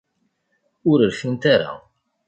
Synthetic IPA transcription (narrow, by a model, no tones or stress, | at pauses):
ʊɾəlfint̪aɾa̰